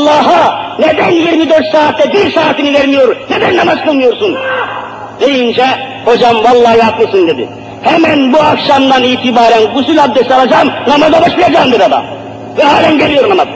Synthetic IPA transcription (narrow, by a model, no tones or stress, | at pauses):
lˠːɑːɦɯned̪ænjiɾmid̪øɾt̪saːt̪ʰːɛbiɾsaːt̪ʰiniveɾmijoɾned̪ænːamazkʰɯlˠmɯjo̞ɾsun | d̪e̞jind͡ʒɛ | ho̞d͡ʒamvɑlˠːɑːɦɯak̪lˠɯsɯnd̪e̞d̪ḭ | hɛmænbuakʃamd̪aniːt̪ʰibaːɾænɡysylʲhab̚d̪ɛsalˠad͡ʒaːmnamazabaʃbilɾʲad͡ʒaːmd̪ed̪ad̪ˠa̰ː | vɛɦaːlʲænɟelʲijo̞ɾnamaz